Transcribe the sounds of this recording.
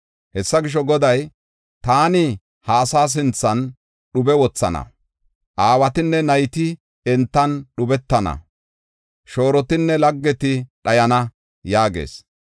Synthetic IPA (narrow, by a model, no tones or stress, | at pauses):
hɛsːɐɡɪʃ̬ɔɡɔd̪ɐj | t̪aːnɪ | haːsaːs̬ɪnt͡sːɐn | ɗʊbɛwɔt͡sːɐ̰nɐ̰ | ʔaːwɐt̪ɪnːɛnɐjt̪ɪ | ɛnt̪ːɐnɗʊbɛt̪ːɐnɐ̰ | ʃo̞ːɾɔt̪ɪnːɛlɐɡːɛt̪ɪɗɐjɐnɐ | jaːɡḛːs